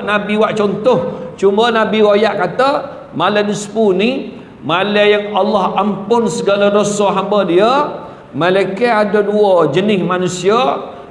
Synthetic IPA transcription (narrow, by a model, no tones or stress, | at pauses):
ʔnabiwaʔt͡ʃɔnt̪ɔht͡ʃumbənabiwajaʔkat̪ə | malanisə̥puni | malajaŋalːahampʊnsəɡalaɾosoɦambədiə | məlakeadəduəd͡ʒənɪsmanusia